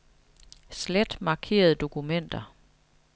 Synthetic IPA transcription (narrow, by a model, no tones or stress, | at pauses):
sled̥mɑ̈ːkʰe̝̰ːɐð̞̩ˠd̥o̝kʰumen̰d̥ɐ